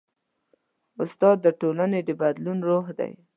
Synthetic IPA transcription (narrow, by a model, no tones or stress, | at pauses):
ʊst̪ɑd̪ːəʈolaned̪əbad̪lunɾoɦd̪a̰j